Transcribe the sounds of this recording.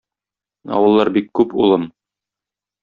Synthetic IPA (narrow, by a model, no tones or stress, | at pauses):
ɒ̰wɤ̆lˠːɑɾbikːʉpṵlˠɤm